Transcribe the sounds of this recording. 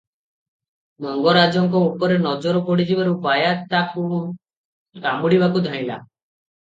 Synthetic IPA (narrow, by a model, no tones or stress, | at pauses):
mɔŋɡɔɾad͡ʒɔŋkɔupɔɾenɔd͡ʒɔɾɔkɔɽid͡ʒibaɾubajat̪aku | ɾamuɽibakud̪ʱaĩla̰